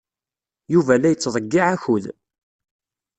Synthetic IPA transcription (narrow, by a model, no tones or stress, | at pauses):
juvælæjət͡sːðˤəɡːiʕæçuð